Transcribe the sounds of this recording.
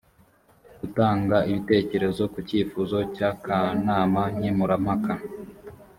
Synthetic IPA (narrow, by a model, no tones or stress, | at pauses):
ɡ̥utaːŋɡaʔiβite̞ːce̞ɾe̞zo̞kuciːfuzo̞cakanaːmaɲimuɾamaka